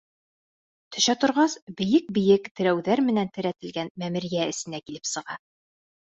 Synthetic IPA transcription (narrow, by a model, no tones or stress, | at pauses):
t̪ʰɵ̆ʃæt̪ŏɾʁɑsbɘ̆jɘk̚bɘ̆jɘkt̪ɘ̆ɾæwðæɾmɘ̆nænt̪ɘ̆ɾæt̪ɘ̆lɡænmæmɘ̆ɾjæɘ̆sɘ̆nækilɘpsɤ̆ʁɑ